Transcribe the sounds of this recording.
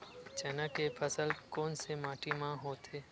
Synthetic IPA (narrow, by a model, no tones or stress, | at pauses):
t͡ʃɛːnəkepʰəsəlkoːnsemãːʈʰimãɦoːt̪ʰeː